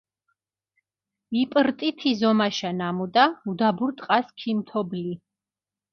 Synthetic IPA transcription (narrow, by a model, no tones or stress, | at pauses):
ipʼɾt̪ʼit̪ʰizɔmaʃanamud̪aud̪abuɾt̪ʼqʼaskʰimt̪ʰɔbli